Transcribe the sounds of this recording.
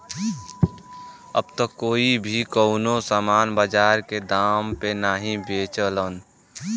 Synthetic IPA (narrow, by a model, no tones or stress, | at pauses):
ə̰b̚t̪okːoːibʱikəʊnosaːmaːnbəd͡ʒaːɾked̪aːmpenaːɦĩbeːt͡ʃələn